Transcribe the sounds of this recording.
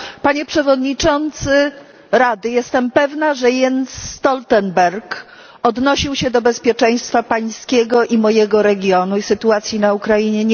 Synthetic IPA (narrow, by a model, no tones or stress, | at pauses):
paɲɛpʂɛvɔd̪ɲit͡ʂɔnt̪sɘ | ɾad̪ɘjɛst̪ɛmpɛvnaʐɛjɛnsːt̪ɔlt̪ɛnbɛɾk | ɔd̪nɔɕiwɕɛd̪ɔbɛspʲjɛt͡ʂɛj̃st̪fapaj̃skʲɛɡɔʔimɔjɛɡɔɾɛɡʲjɔnuisɘt̪uat̪sʲjinaukɾaiɲɛɲ